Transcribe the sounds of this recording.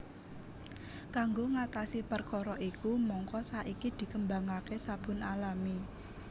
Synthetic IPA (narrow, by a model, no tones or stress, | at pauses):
kaŋɡoŋat̪asipərkɔɾɔʔikumɔŋkɔsaʔikid̪̥i̤kəmbaŋakesab̥ʊ̤nalami